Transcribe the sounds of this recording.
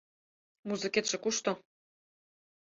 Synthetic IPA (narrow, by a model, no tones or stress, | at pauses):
muzɨ̆ket̪ʃĕkuʃt̪o